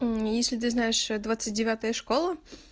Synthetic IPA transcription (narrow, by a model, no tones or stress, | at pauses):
jesʲlʲɪt̪̬ɨznajɪʂd̪vat̪sɨt̚ʲdʲɪvʲat̪əjəʂkolˠə